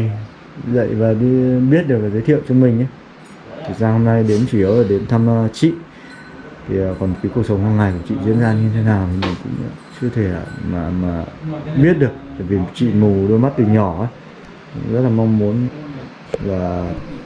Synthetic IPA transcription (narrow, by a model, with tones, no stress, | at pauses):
zə̰˧˨jvaː˨˩ɗi˧ɓi˦˥ət̚ɗɨ˨˩klaː˨˩zə˨˦t̪ʰḭ˧˨əwt͡ɕɔ˧ŋ͡mmï˨˩ŋ̟ʔa˨˦ | t̪ʰi˨˩saː˧ho˧mna˧jɗe˨˦nt͡ɕi˧˩ʔəː˨˦əː˨˩ɗe˨˦nt̪ʰa˧m˧t͡ɕḭ˧˨ | t̪ʰi˨˩˨kɔ˨˩nka˨˦jku˧˩ək̚sə˨˦wŋ͡mhaː˧ŋa˨˩jkt͡ɕḭ˧˨zḭ˧˥ənzaː˧ɲɨ˧t̪ʰe˨˦naː˨˩wt̪ʰi˨˩mï˨˩ŋ̟kʊ̰˧˥ŋ͡m̰ːt͡ɕɨ˧ət̪ʰe˧˩a̰ː˧˨˩maː˨˩maː˨˩ɓi˦˥ət̚ɗɨ˨˩ək̚t̪a̰ː˧˨jvi˨˩t͡ɕḭ˧˨mu˨˩ɗo˧jma˦˥t̚t̪i˨˩ŋɲɔ˧˩ʔəː˨˦ | kʊ̰˧˥ŋ͡mzə˦˥t̚laː˨˩ma˧wŋ͡mmu˨˦ən | laː˨˩